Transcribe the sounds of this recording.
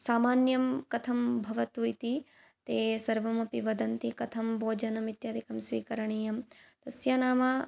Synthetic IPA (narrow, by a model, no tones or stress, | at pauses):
saːmaːnjɐmkɐt̪ʰɐmbʱɐʋɐt̪ujt̪i | t̪eːsɐɾʋɐmɐpiʋɐd̪ɐnt̪ikɐt̪ʰɐmbʱoːd͡ʒɐnɐmit̪jaːd̪ikɐmsʋiːkɐɾɐɳiːjɐmt̪ɐsjaːnaːma